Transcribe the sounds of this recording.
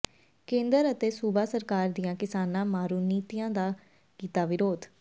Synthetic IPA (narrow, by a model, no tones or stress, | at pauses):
kẽːnd̪əɾət̪eːsuːbaːsəɾkaːɾd̪ijãːkɪsaːnãːmaːɾuːniːt̪ijãːd̪aː | kiːt̪aːʋɪɾoːd̪